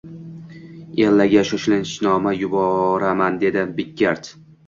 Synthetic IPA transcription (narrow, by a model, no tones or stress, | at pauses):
ellaɡʲaʃoʃlɪnʃnɒmajʊbɒɾamand̪e̞d̪ɪbɪkʲːaɾt̪